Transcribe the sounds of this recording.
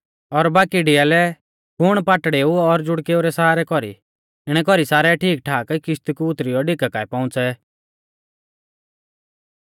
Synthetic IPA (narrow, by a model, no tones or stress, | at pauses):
ɔɾbaːkiɖijalɛ | kʰʊɽ̃paʈɽeːuɔɾd͡ʒʊɽkeːuɾɛsaaːɾɛkɔɾḭ | ɪɽ̃ɛk̬ɔɾisaːɾɛʈʰiːk̚ʈʰaːkkɪʃt̪ikuʊt̪ɾijɔɖɪkakaːɛpaʊ̃t͡sɛ